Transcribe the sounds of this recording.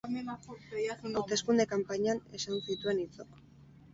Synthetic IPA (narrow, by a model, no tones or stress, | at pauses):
awt̪e̞skund̪e̞kampaɲane̞sansit̪ue̞nit͡sok